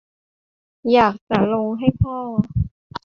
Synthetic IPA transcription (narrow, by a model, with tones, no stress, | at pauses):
jaː˨˩k̚t͡ɕa˧˩˦lo˧ŋɦa˥˩jpʰɔː˥˩